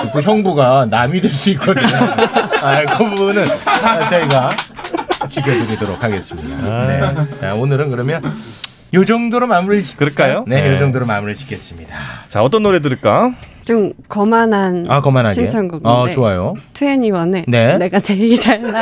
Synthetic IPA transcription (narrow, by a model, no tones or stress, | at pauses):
ik͈ʰoçjʌŋbuɡanamidweɭs͈uit̚k͈ʌdɯɲoakʰʌŋbunɯnat͡ɕʌiɡa | t͡ɕikʰjʌd͡ʑuɾidoɾokʰaɡe̞s͈ɯmɲidanet͡ɕaonɯɾɯnkɯɾʌmjʌn | jod͡ʑʌŋdoɾɯmamuɾɯɭkɯɾek͈ajjone̞jod͡ʑʌŋdoɾomamuɾɯɭt͡ɕi̥kʰe̞s͈ɯmɲidat͡ɕaʌt͈ʌnːoɾe̞dɯɾɯɭk͈at͡ɕomkʌmananakʌmanɦat͡ɕʰiet͡ɕʰʌŋɡuɡat͡ɕoajotʰeeɲiwʌne̞ne̞ne̞ɡateɡit͡ɕa